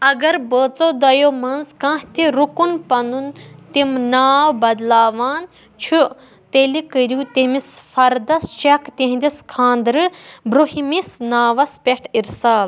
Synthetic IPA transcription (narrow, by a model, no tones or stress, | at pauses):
ɐɡɐɾbəːt͡soːd̪ɐjoːmɐnzkãːht̪iɾukunpɐnd̪unt̪imnaːwbɐd̪laːʋaːn | t͡ʃʰu | t̪elikɨɾʲjuːt̪emisfɐɾd̪ɐst͡ʃekt̪ẽɦnd̪iskʰãːnd̪ɾɨbɾuhimisnaːʋɐspʲeʈʰiɾsaːl